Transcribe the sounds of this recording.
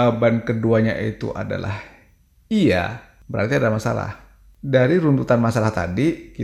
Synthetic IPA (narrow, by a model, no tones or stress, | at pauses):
bankəduaɲaʔḭt̪ṵʔa̰da̰la̰h | ia̰ | bəɾa̰rt̪iadalahmasa̰la̰h | daɾiɾunt̪ut̪anmasalaht̪adiki